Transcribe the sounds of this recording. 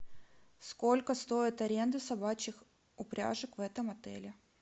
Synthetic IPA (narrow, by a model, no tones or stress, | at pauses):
sko̞lʲkəst̪o̞ɪt̪ɐɾʲend̪ɨsɐbat͡ɕɪx | ʊpɾʲa̰ʐɨkvɛt̪əmɐt̪ɛ̰lʲɪ